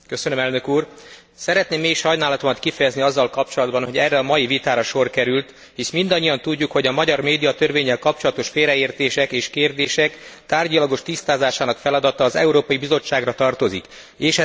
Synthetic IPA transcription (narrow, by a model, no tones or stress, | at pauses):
køsønømɛlnø̞kuːr | sɛɾɛt̪neːmːeːiʃhɒjnaːlɒt̪omɒt̪kifɛjɛzniɒzːɒlkɒp̚t͡ʃo̞lɒd̪bɒnho̞ɟɛrːɛɒmɒjivit̪aːɾɒʃo̞rkɛɾylt̪ | hiʃmind̪ɒɲːijɒnt̪uɟːukho̞ɟɒmɒɟɒrmeːd̪ijɒt̪ø̞rveːɲːɛlkɒp̚t͡ʃo̞lɒt̪o̞ʃfeːlɾɛeːrt̪eːʃɛkeːʃkeːrd̪eːʃɛkt̪aːrɟɒlɒɡo̞ʃt̪ist̪aːzaːʃaːnɒkfɛlɒd̪ɒt̪ɒːzɛ̰uɾoːpɒibizo̞t͡ʃːaːɡrɒt̪ɒrt̪o̞zik | eːʃɛ